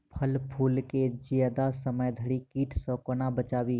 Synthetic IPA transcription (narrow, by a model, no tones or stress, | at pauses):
pʰəlpʰuːlked͡ʒijəd̪asəməjd̪ʱəɽikiːʈʰsɔ̃konabət͡ʃaːbiː